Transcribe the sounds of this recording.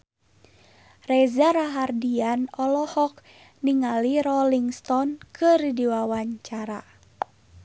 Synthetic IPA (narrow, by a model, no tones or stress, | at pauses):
rɛzaɾaɦardianɔlɔhɔk̚ | niŋaliɾɔliŋst̪ɔnkʰɨrdiwawaɲt͡ʃaɾa